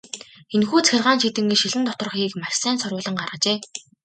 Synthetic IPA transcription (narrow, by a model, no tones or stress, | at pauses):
enxuːt͡sæxʲɪ̆rʁaːnʃit̪ɘ̆ŋɡiʃiɮɘ̆nt̪ɔt̪ɞ̆r̆χxiːkmaʃsæːnsɔrʊːɮə̆ŋɢarʁə̆t͡ɕeː